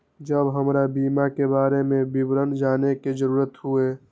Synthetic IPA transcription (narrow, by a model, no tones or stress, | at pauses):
d͡ʒəbɦəmɾabiːmakebaːɾemẽbɪbɾənd͡ʒaːnekezəɾuːɾət̪ɦue